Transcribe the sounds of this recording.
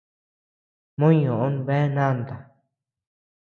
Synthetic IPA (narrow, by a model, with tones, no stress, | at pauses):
mõ˦ɲõ˨ʔo˦nβe˦nã˦˨nd̪a˨